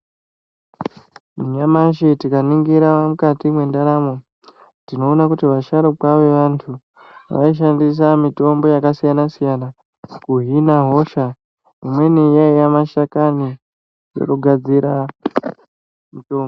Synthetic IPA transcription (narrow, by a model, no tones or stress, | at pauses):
muɲamaʃ̬etikaniŋɡiɾamukatimwe̞ndaɾamo | tino̞ːnakutiʋaʃaɾokwaʋe̞ʋantʰu | ʋa̰iʃ̬andis̬amito̞mbo̞jakasijanasijana | kuɦinaɦo̞ʃa | imwe̞nijaijamaʃakani | jo̰kuɡʱad͡ziɾa | mito̞ːmbo